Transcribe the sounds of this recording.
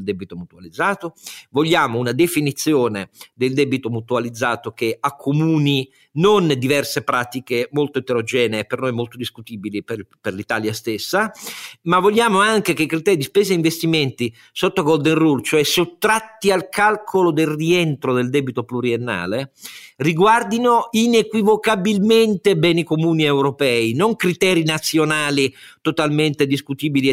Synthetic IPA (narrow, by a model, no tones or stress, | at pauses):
ld̪ɛbit̪omut̪ualid̪zːaːt̪ovoʎːaːmounad̪efinit̪sːjoːned̪eld̪ɛbit̪omut̪ualid̪zːaːt̪okeakʰːomuːni | nond̪ivɛrsepɾaːt̪ikemolt̪oet̪eɾod͡ʒɛːnepernojmolt̪od̪iskut̪iːbilipeperlit̪aːljast̪esːamavːoʎːaːmoaŋk̟ekekɾit̪ɛːɾid̪ispɛːzeiɱvest̪iment̪i | sot̪ːoɡold̪enrult͡ʃoɛsot̪ːɾat̪ːialkalkʰolod̪elrient̪ɾod̪eld̪ɛːbit̪opluɾienːa̰ːleriɡward̪inoinekwivokabilment̪ebɛːnikomuːniewɾopɛːinoŋkɾit̪ɛːɾinat̪sːjonaːlit̪ot̪alment̪ed̪iskut̪iːbili